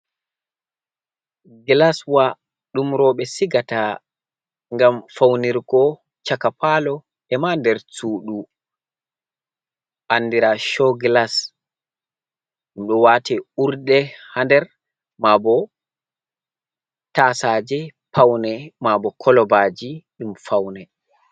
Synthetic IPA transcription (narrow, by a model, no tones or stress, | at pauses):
ɡlaswa | ɗumɾɔɓɛsiɡata | ŋɡamfawniɾkɔ | t͡ʃakapalɔ | ɛmandɛɾt͡suːɗu | ʔanːdiɾaʃɔɡlas | ɗimɗɔwatʰɛuɾdɛhandɛɾ | mabɔ | tasad͡ʒɛpʰawnɛmabɔkʰɔlɔbaːd͡ʒiɗimfawnɛ